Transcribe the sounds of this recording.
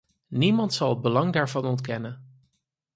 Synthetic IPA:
nimɑntsɑlˠɦəd̚bəlɑŋdaːɹvɑnɔntkɛnən

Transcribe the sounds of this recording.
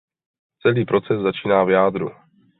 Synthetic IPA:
t͡sɛliːpɾo̞t͡sɛszat͡ʃiːnaːvjaːd̪ɾṵ

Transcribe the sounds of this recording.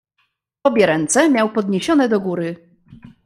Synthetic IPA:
ɔbʲjɛɾɛnt̪sɛmʲjawpɔd̪ɲeɕɔnɛd̪ɔɡuɾɘ

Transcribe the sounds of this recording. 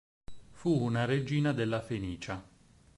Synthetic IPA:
fuːnaɾed͡ʒiːnad̪elːafeniːt͡ʃa

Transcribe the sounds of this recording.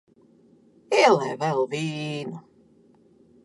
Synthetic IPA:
elˠɛjvɛlˠviːnu

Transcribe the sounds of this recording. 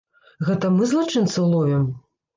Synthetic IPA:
ɣɛt̪ɐmɨzlˠat͡ʂɨnt̪sɨlˠujʲɛm

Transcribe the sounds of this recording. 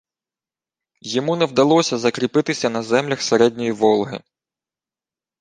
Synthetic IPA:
jɔmunɛwd̪ɐlˠɔsʲɐzɐkɾʲipɪt̪ɪsʲɐnɐzɛmlʲɐxseɾɛdʲnʲɔjiʋɔlˠɦɪ̰

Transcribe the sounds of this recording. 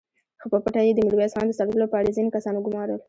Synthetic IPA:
xopəpaʈajed̪əmiɽwiɑsɑnd̪əsɑləlopəaɽezinekasɑnoɡʊmɑɾəl

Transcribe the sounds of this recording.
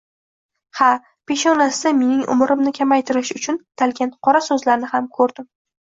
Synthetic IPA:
ha | pʰe̞ʃɒnasɪame̞nɪŋʊ̰mɾɪmnɪkʲʰamajt̪ʰɪɾɪʃʊt͡ʃʰʊnt̪ʰalkʲant̪qʰɒɾasɵzlaɾnɪhamkʰɵɾd̪ɪm

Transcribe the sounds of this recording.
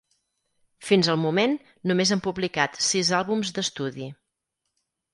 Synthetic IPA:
finzəlˠmumen | numezəmpuβlikat̪sizalˠβumzd̪əst̪uði

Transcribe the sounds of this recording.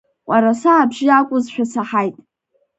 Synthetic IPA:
qʷʼaɾasaːbʒɪakʷʼʊzʃᶣasaħajtʼ

